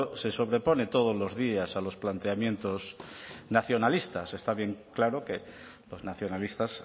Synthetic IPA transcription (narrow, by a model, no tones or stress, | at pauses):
se̞so̞β̞ɾe̞po̞ne̞t̪o̞ð̞o̞zlo̞zðiasalo̞splant̪eamjẽ̞nt̪o̞snaθjo̞nalist̪ase̞st̪aβje̞ŋklaɾoke̞ | lo̞znaθjo̞nalist̪as